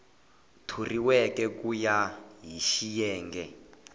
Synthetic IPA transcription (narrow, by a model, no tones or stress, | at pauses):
tʰuriwɛkɛkujaɦiʃijɛːŋɡɛ